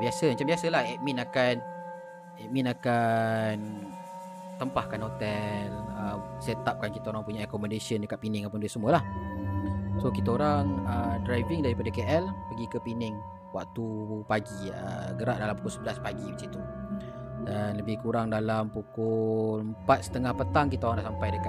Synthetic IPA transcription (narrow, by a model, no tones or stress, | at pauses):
biasəmat͡ʃambiasəlahɛʔ̚mĩnakan | ɛʔ̚minakan | t̪əmpahkanhot̪ɛləsɛt̪ap̚kankit̪aoɾaŋpuɲaakomədesəndəkat̪̚pinɪŋapəndisəmuəlah | sokit̪aoɾaŋədɾajvɪŋdaɾipadakeʔɛlpəɡikəpinɪŋ | wa̰kt̪upaɡiə̰ɡəɾaʔ̚dalampukʊlsəbəlaspaɡibisit̪u | danləbɪhkuɾaŋdalampukʊləmpat̪̚sə̥t̪əŋahpət̪aŋkit̪aoɾaŋdaʔsampajdəka